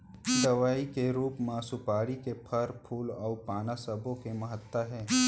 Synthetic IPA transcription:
d̪ɐʋaːikeɾuːpmãsʊpaːɽikepʰɐɾpʰuːlɔːpaːnasəbõkemɐɦət̪ːwaɦɛː

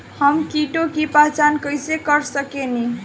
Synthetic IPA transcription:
hʌmkiʈokipat͡sankʌjsekʌɾsʌkeni

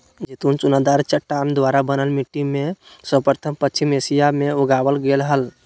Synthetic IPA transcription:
d͡ʒet̪unt͡ʃunad̪aɾt͡ʃəʈːand̪ʋaɾabənəlmiʈːimesəpəɾt̪ʰəmpətːt͡ʃʰimesijameoɡabəlɡelɦəl

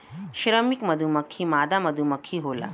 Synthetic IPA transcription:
ʃɾəmikməd̪ʱuməkʰːiːmaːd̪aməd̪ʱuməkʰːiːɦola̰

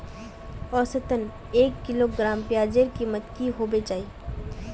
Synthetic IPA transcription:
ɔːsət̪ən | eːkːɪloɡɾãːmpjaːd͡ʒeɾkimət̪kiɦoːbet͡ʃaːiː

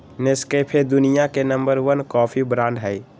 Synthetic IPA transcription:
nɪskepʰed̪ʊnijakenə̃mbəɾʋənkɔːpʰibɾãːɳɖɦɛɪ

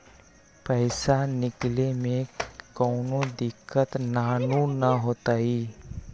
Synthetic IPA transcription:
pəɪsanɪklemẽkɔːnõd̪ɪkːət̪naːnunɐɦoːt̪aːiː

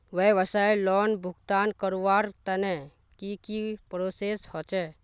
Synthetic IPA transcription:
ʋeʋəsailɔːnbʱʊɡt̪aːnkəɾuʋaːɾt̪ənɛ | kikipɾoseshɔt͡ʃɛ

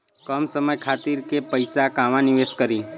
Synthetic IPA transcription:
kəmsəməjkʰaːt̪iɾkepəɪsakaʋãnɪʋeːskəɾiː

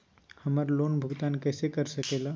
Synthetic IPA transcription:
həməɾloːnbʱʊɡt̪aːnkɛːsekəɾsəkela

